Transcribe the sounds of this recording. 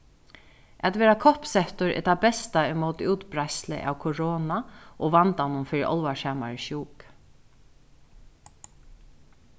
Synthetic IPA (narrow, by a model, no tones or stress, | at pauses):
at̪ʋeːɾakʰɔhpsɛht̪ʊɹʔɛ̰t̪abɛst̪aɛmoːt̪ɪuːt̪bɾajslɪ̰ʔa̰wkʰʊɹoːnaʔɔʋant̪anʊmfɪːɾɪʔɔ̰lʋaʂaːma̰ɹəʃuːk